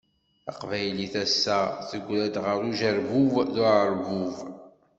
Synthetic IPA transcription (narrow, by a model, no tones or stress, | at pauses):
ə̰qvæjliθæsːæθəɡʷlæd̪ʁəɾˤuʒəɾvuvðʊɾəɾvuv